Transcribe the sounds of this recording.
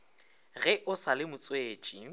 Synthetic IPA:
ɣɛʔʊsalɪmʊt͡sʼweːt͡ʃʼi

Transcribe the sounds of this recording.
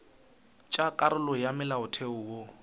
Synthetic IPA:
t͡ʃʼakʼaɾʊlɔjamɪlaʊtʰeʊwo

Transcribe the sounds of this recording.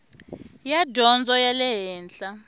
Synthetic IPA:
jadʱɔnd͡zʱɔjalɛɦɛːnɬʼa

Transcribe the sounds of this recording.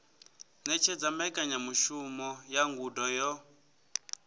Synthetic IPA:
nɛt͡ʃʰɛd͡zambaikʼaɲamuʃumɔjaŋɡudɔjɔ

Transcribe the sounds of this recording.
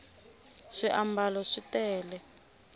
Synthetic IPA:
ʂiʔambalɔʂitɛːlɛ

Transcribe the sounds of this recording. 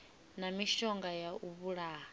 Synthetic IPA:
namiʃɔŋɡajaʔuβuɺaː

